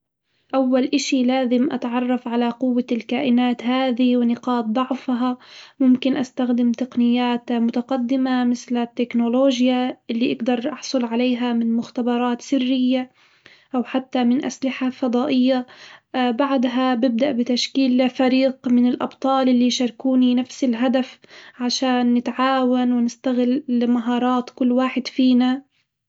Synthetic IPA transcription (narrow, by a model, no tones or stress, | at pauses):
ʔawːalʔaʃilaːzɪmʔa̰t̪ʕɑrˤːɑfʕalaqʊwːalkaːʔɪnaːt̪ɦaːðiwɪnɪqɑːt̪̚d̪ˤɑʕfɦɑmʊmkɪnʔast̪axd̪ɪmt̪aqnɪjːaːt̪mʊt̪aqɑd̪ːɪmamɪθlat̪ːɪknoloːʒjaʔɪlːiʔaɡd̪ɑɾˤʔɑħsˤʊlʕaleːɦamɪnmʊxt̪abɑɾˤɑːt̪sɪrːɪjːa | ʔawħat̪ːamɪnʔa̰slɪħafɑd̪ˤɑːʔɪjːa | baʕd̪ɦabɪb̚d̪aʔbɪt̪aʃkiːlfaɾiːqmɪnɪlʔɑ̰bt̪ˤɑːlʔɪlːiʃɑɾˤkuːninafsɪlɦad̪afʕaʃaːnːɪt̪ʕaːwanwɪnɪst̪aɣɪlɪmaɦɑːɾˤɑːt̪kʊlːwaːħɪd̪fiːna